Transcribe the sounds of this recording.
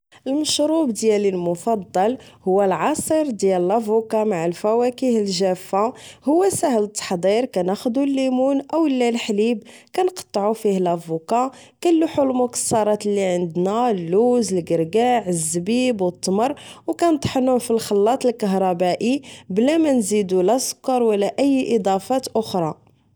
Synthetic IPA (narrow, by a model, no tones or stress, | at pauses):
ʔəlməʃɾubd̪jælilmʊfɑd̪ˤːɑl | hʊwːælʕɑsˤəɾˤd̪jællʔæfukɑmaʕəlfæwækihəlʒæfːahʊwːæsæhlət̪ːɑ̥ħd̪ˤiɾkænæxd̪ulːimunʔæwəlːælħlibkænqɑ̥t̪ˤːʕufihlʔæfukɑ | kælːuħulmʊkə̥sːɑɾˤɑt̪lːiʕənd̪nælːuzəlɡəɾɡæʕəzːbibwət̪ˤːməɾˤwkænət̪ˤħənufilxɑlːɑt̪ˤəlkəɦɾˤɑbæʔiblæmænzid̪ulʔæskɑɾˤwəlːæʔəjːʔəd̪ˤɑfɑt̪ʔʊxɾˤɑ